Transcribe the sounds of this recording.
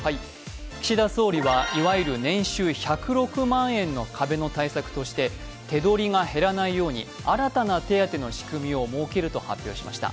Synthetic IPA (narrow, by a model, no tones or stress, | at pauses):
hai | kʲi̥ɕid̪aso̞ːɾʲiβaiβaiɾɯ̟nẽ̞ɰ̃ɕɨːçakɯ̟ɾo̞kɯ̟mãɰ̃ẽ̞nːo̞kʰabe̞no̞t̪aisakɯ̟̥t̪o̞ɕi̥t̪e̞ | t̪e̞d̪o̞ɾʲiŋahe̞ɾanaijo̞ːɲ̟ḭ | aɾat̪anat̪e̞at̪e̞no̞ɕi̥kɯ̟mʲio̞mo̞ːke̞ɾɯ̟t̪o̞ha̰pʲjo̞ːɕima̰ɕi̥t̪a̰